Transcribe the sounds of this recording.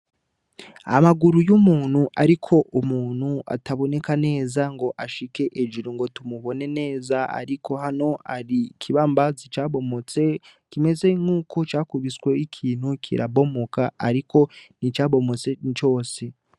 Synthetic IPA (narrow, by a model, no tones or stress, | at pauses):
a̰maɡuɾujumuːn̥huʔaɾikʰo̞ʔumuːn̥hua̰taβo̞ne̞kane̞ːzaŋɡo̞ʔaʃike̞ʔed͡ʒiɾiŋɡo̞tumuβo̞ne̞ne̞ːzaa̰ɾiko̞ɦano̞aɾikʰiβambazit͡ʃaːβo̞mo̞t͡se̞ | kime̞ze̞ŋuːkʰo̞t͡ʃaːkuβisɡwe̞ikʰiːn̥hukʰḭɾa̰βo̞mokaaɾikʰo̞nit͡ʃaːβo̞mo̞t͡se̞t͡ʃo̞ːse̞